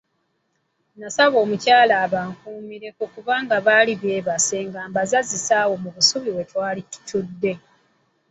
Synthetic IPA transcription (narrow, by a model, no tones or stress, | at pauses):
nasaβo̞ːmucaːlaːβaːŋkuːmiɾe̞kokuβaːŋɡaβaːliβje̞ːβaseŋɡaːmbazazisaːwo̞muβusuβiwe̞twaːlitu̥tʰudːe̞